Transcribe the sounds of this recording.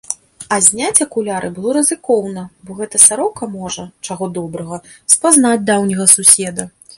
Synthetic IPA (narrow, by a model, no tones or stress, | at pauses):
ɐzʲnʲat͡sʲɐkulʲaɾʔɨbɨlˠɔɾɨzɨkɔwnɐbɔɣɛt̪ɐsaɾɔwkɐmɔʐɐt͡ʂaɣɔd̪ɔbɾɐɣɐ | spaznad͡zʲd̪awnʲɐɣɐsusʲɛd̪ɐ